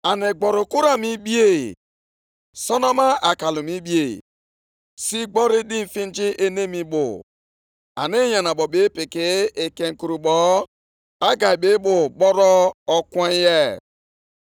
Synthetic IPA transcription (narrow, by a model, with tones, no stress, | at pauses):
a˨ne˨ɡ͡bɔ˨ɾʊ˨ku˦ɾa˨mi˦bi˦e˦˨ | sɔ˦nɔ˦ma˦ʔa˨ka˨lu˨mi˦bi˦ḛ˨ | si˦ɡ͡bɔ˦ɾi˦di˦m̩˨fi˦n˦d͡ʒi˦ʔe˦ne˦mi˨bʊ̰˨ | a̰˨ne˦ja˨na˨bɔ˨be˦pɪ˨kɪ˦e˨ke˨ŋ̩˨ku˨ɾu˨ɓɔ˨ | a˦ɡa˨i˨be˨˦bʊ˨ɓɔ˦ɾɔ˦ɔ˦kwe˦je˦